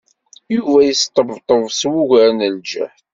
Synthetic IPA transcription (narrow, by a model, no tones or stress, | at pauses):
juvæjəst̪ˤəvt̪ˤəvswuʝɾnəld͡ʒə̰ħ